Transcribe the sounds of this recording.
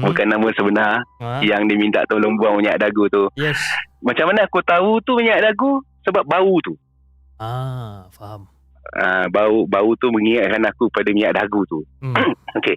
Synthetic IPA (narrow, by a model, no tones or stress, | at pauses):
bukanːamə̃səbənarjaŋdiəmint̪a̰ʔt̪əlombuaŋmiɲaʔdaɡut̪ujɛsmat͡ʃamanaakut̪aut̪umiɲaʔdaɡusəbap̚baut̪u | abaubaut̪uməŋiŋat̪̚kanakupadamiɲaʔdaɡut̪u | oke